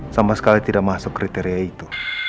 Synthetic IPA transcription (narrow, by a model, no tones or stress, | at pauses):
samasə̥kalit̪idaʔmasʊkːɾit̪ɛɾiait̪u